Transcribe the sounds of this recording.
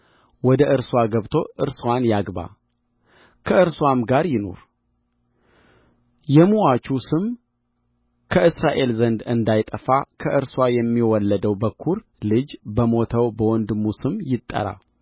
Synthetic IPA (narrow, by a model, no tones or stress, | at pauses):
wɔd̪əʔɨɾswaɡəβt̪ʰo̞ʔɨɾswanjaɡba̰ | kʰəʔɨɾswamɡaɾjɪno̞̰ɾ | jɛmuwat͡ʃʰusɨm | kʰəʔɨsɾaʔe̞lzənd̪ɨnd̪ajt̪ʼəfakʰəʔɨɾswajɛmːiwɔlːəd̪əwbəkʰːuɾ | lɨd͡ʒbəmo̞t̪ʰəwbəwɔnd̪ɨmːusɨmjɪt̪ʼːə̰ɾa̰